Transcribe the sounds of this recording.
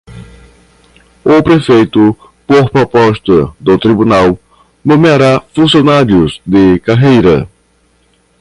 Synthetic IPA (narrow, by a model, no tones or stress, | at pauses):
ʊpɾefejt̪ʊ | poɾpɾopɔʃt̪ɐd̪ʊt̪ɾibunaw | nõmeaɾafũsjonaɾiʊzd̪ɪkaɦejɾɐ